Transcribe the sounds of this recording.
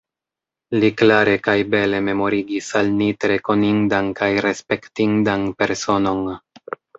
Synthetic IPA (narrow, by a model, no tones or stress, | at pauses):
liklaɾe̞kajbe̞le̞me̞mo̞ɾiɡisalnitɾe̞ko̞nindankajɾe̞spe̞ktindanpe̞ɾso̞no̞n